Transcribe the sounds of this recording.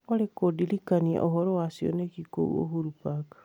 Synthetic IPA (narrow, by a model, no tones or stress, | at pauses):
olekodilikania̰ʔoɦoɾowasio̰nekiko̰ṵo̰huɾupakḁ